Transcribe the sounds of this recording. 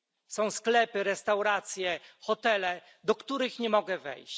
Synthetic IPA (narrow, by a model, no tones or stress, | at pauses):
sɔ̃w̃sklɛpɘɾɛst̪awɾat̪sʲjɛxɔt̪ɛlɛ | d̪ɔkt̪uɾɘxɲɛmɔɡɛvɛ̰jɕt͡ɕ